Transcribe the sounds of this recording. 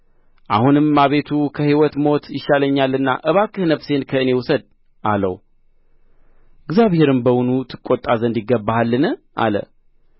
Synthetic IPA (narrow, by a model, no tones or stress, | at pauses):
ʔahunɨmːaβe̞t̪ʰukʰəhiwɔt̪mo̞t̪ʰjɪʃaləɲːalːɨnːa̰ʔɨβakʼːɨhnəfse̞nkʰəɨne̞wʊsəd̪̚ | ʔalə̰w | ɪɡzjaβhe̞ɾɨmbəwunut̪ʰɨkʼːot̪ʼːazənd̪jɪɡəbːahalːɨnɨ | ʔa̰lə̰